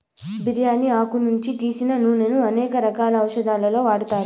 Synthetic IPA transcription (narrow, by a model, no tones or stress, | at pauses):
biɾjaːniaːkunuɲt͡ʃit̪iːsinɐnunenuɐnɛːkɐɾɐkaːlɐːwʂɐd̪aːlɐlo̞ːʋaːɽut̪aːɾu